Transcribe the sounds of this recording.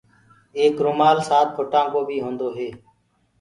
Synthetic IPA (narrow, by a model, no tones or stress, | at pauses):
eːkɾoːmaːlsaːt̪̚fʰoːʈãːkoːbʱiːɦõːnd̪oːɦeː